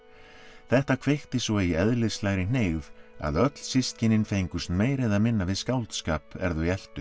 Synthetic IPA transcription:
θɛht̪akʰv̥ext̪ɪsvɔiɛðlɪðslaːjɾɪn̥eːjva̰ðœt̪l̥sist̪̚cɪnɪnfejŋkʏst̪meːjɾɪðaðmɪnːavɪðskawlt̪skaːpɛ̰ɾðʏɛl̥t̪ʏ

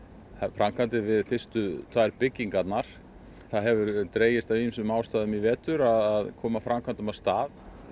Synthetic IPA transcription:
afɾamkʰant̪ɪvɪðfɪr̥st̪ʏt̪ʰvaɛɾpɪcːiŋkat̪naɾ̥ | θaðɦɛvʏɾt̪ɾeːjɪst̪aviɪsʏmːaːwst̪aːðʏmivɛːt̪ʏɾaðaðkʰɔːmafɾamkʰant̪ʏmast̪aːð

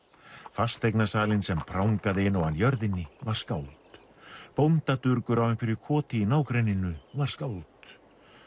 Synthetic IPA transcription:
fast̪ejknasaːlɪnsɛmpʰɾawŋkaðɪɪnːɔɣanjœɾðɪnːɪvaɾ̥skaːwlt̪ | pownt̪at̪ʏɾkʏɾawvɪnfɪɾɪɾ̥kʰɔːt̪ɪinaːwkɾejnɪnʏvaɾ̥skaːwlt̪

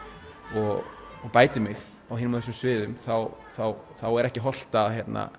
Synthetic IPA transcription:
ɔɣɔɣpaːjt̪ɪmɪɣ | awɦɪːnɪmas̬ʏmsvɪːðʏmθawθawθawɛɾɛhcɪɦɔl̥t̪aðçjɛt̪na̰

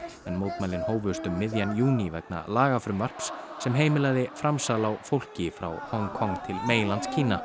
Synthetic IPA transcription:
ɛnmowt̪majlɪnhoːwvʏst̪ʏmːɪðjanjuːnivɛkna̰laːɣafɾʏmvar̥psːɛmɦeːjmɪlaɣðɪfɾamsalawfowl̥cɪfɾa̰whɔŋkʰɔŋt̪ʰɪlmeːjlant̪scʰiːna

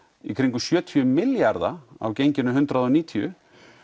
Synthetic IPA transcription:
ikʰɾiŋkʏsjœːt̪ʰiʏmɪljaɾða̰a̰wcejɲcɪnʏɦʏnt̪ɾaðɔniːt̪ʰiʏ̰

